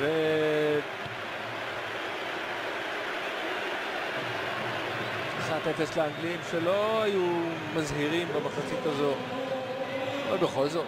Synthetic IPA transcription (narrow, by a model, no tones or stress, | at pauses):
ve | ʃiχat̪efesleaŋɡlimʃelo̞aju | mazɦiʁimbamaχat͡sit̪azo̞ | lobeχo̞lzo̞t